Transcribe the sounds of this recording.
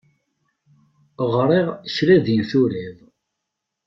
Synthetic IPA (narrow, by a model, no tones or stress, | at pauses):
ʁɾˤiʁçɾæðinθuɾiðˤ